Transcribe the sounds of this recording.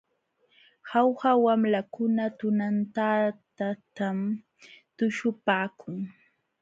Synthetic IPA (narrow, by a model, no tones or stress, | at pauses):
hawhawamlakʊnat̪ʊnant̪at̪at̪am | t̪ʊʃʊpaːkʰʊŋ